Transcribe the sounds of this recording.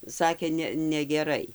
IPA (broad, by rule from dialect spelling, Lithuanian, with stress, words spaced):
ˈsɑːkʲeː ˈnʲɛ nʲɛɡʲɛˈrɐɪ